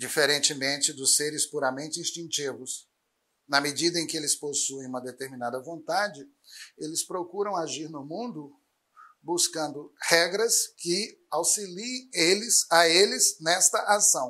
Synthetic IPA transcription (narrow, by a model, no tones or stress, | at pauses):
d͡ʒifeɾẽnt͡ʃɪmẽnt͡ʃɪd̪ʊseɾɪspuɾamẽnt͡ʃɪĩst͡ʃĩnt͡ʃivʊs | nɐmed͡ʒid̪ɐẽkɪelɪsposuẽj̃ũmɐd̪et̪eɾmĩnad̪ɐvõnt̪ad͡ʒɪ | elɪspɾokuɾɐ̃w̃aʒiɾnʊmũnd̪ʊ | buskɐ̃nd̪ʊhɛɡɾɐskɪ | awsilĩelɪzaelɪznɛst̪ɐʔasɐ̃w̃